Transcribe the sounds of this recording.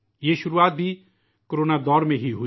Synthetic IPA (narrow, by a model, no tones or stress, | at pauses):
jeːʃʊɾuaːt̪̚bʱi | koɾoːnad̪ɔːɾmẽɦiɦu